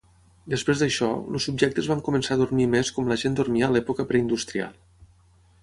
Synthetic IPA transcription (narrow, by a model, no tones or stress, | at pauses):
d̪əspɾezd̪əʃɔ̰lṵsub̚ʒɛk̚t̪əzβamkumənsaðurmimeskɔmləʒend̪uɾmiəlɛpukəpɾɛind̪ust̪ɾia̰lˠ